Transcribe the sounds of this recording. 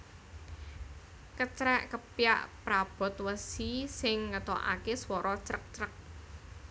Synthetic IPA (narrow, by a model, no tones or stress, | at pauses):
kət͡ʃɾɛʔkəpjaʔpɾab̥ɔ̤t̪̚wəsisɪŋːət̪o̰ʔa̰keswɔɾʔɔt͡ʃɾək̚t͡ʃɾək̚